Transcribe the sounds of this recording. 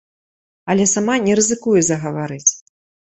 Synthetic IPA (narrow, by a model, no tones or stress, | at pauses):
ɐlʲɛsamanʲɛɾɨzɨkujɛzɐɣɐvaɾɨt͡sʲ